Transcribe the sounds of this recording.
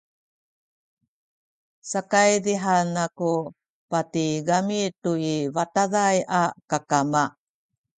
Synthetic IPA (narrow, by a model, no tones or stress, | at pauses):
sakajdiɦanːaku | patiɡamituivataðajʔakakama